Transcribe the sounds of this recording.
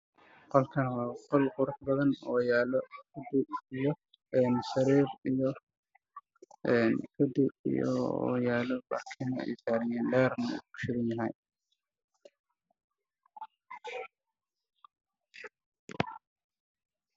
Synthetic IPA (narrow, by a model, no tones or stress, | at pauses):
qɔlkʰɐnwɑːqɔlqʊɾʊħbɐðɐnɔːjaːlɔkʰɐd̪ɪbijɔ | ɛːnsɐɾiːrijɔ | ʔɛːnkʰɐd̪ɪḭjɔ̰jaːlɔla̰ːkʰɪnɐɛ̰jsaːɾɪjɛːnlɛːrnɐ̰kʊʃɪɾɐnjɐɦɛj